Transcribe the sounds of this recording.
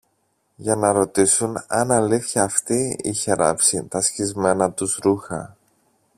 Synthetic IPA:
ʝɐnɐɾo̞t̪isunɐnɐliθçɐːft̪iiçe̞ɾɐ̰psit̪ɐsçizme̞nɐt̪uzɾuxɐ̰

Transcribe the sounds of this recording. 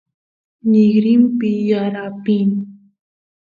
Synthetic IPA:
nɪɡɾɪmpɪjaɾapin

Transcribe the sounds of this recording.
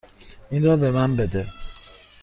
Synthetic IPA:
inɾɒːbemænbed̪e

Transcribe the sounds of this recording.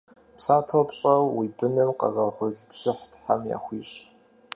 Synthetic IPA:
psaːpʰɐwpɕʼɐwwibɨnɨmqɐ̰ʁɐʁʷʊɮpɕɪħtʰħamja̰ːxʷiːɕʼ

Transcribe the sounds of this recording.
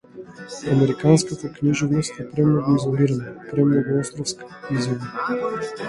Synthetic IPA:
amɛɾikanskat̪akniʒuvnost̪ɛpɾɛmnoɡʊizoliɾanapɾɛmnɔɡʊɔst̪ɾɔfskiziva

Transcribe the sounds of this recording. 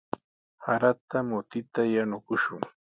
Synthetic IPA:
haɾat̪amʊt̪ɪt̪ajanʊkʊʃʊŋ

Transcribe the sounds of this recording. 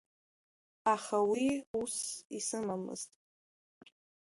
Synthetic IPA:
aχawiusisɨmamɨ̰z̥tʼ

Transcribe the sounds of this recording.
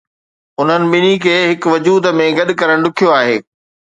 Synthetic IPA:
ʊn̤ənɪ̆ɓɪnikʰeːɦɪkʋɐd͡ʑuːd̪̆mẽɡɐɗkɐɾəɽ̃ɗʊkʰijoaːɦeː

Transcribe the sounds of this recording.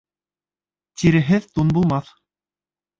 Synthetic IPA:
t̪iɾɘ̆ɦɘðt̪unbulˠmɑθ

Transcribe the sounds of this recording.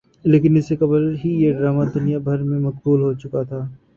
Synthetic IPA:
leːkɪnɪsekɐblɦijeɖɾaːmad̪ʊnijabʱɐɾmẽmɐkbuːlɦot͡ʃʊkat̪ʰaː

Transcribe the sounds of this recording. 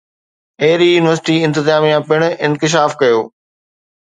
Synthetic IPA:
eːɾijuːnɪʋəɾsɪʈiɪ̃nt̪ɪzaːmijãpɪɽ̃ɪ̃nkɪʃ̬aːfkɐjoː

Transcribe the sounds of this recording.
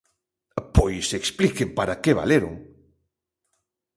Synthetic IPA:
pojseksplikɪpaɾakeβa̰leɾʊ̰ŋ

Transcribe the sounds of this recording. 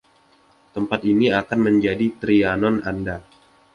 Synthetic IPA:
t̪əmpat̪iniakanməɲd͡ʒadit̪ɾianɔnanda

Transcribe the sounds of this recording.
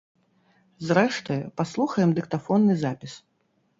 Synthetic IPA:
zɾɛʂt̪ɐjɐpaslˠuxɐjɛmd̪ɨkt̪afɔnːɨzapʲis

